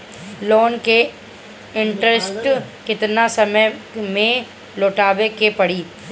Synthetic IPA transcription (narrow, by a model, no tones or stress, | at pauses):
loːnke | ɪ̃ɳʈɾesʈkɪt̪nasɐməjmẽ | loːʈaːʋekepɐɽiː